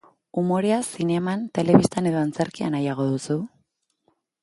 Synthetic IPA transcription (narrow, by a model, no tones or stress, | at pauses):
umo̞ɾeasine̞mant̪e̞le̞βist̪ane̞ðo̞ant͡se̞ɾkia̰najaɣ̞o̞ðusu